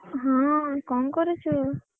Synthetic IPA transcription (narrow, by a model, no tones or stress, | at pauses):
ɦãkɔmkɔɾut͡ʃʰu